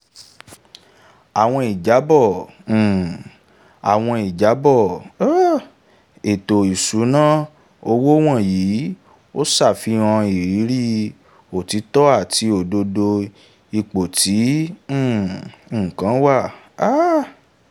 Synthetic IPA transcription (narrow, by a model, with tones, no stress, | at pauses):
a˨w̃ɔ̃˧i˨d͡ʒa˨˦bɔ̃˦˨ | a̰˨w̃ɔ̃˧i˨d͡ʒa˨˦bɔ˦˨˦ | e˨to˨i˨su˨˦nãː˦˨ | o˧wo˦w̃ɔ̃˦˨ji˨˦ | o˦sa˦˨fi˨˧˦ɔ̃˧i˨ɾi˨˦ɾi˦ | o˨ti˨˧˦tɔ˦a˦˨tʰi˧o˨do˧do˧ | i˧k͡po˨tʰĩ˨˦˨ | kã˨˦wa˦˨ | a˦